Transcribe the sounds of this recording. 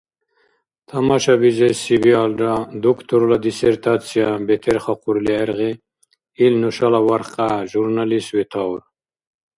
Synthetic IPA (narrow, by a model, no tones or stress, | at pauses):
t̪ʰamaʃabizesibialdad̪ukt̪ʰuɾlad̪iseɾt̪ʰat͡sʰijabet̪ʰeɾχaquɾlieɾʁe | ilnuʃalawaɾqaʒuɾnaliswet̪ʰawɾ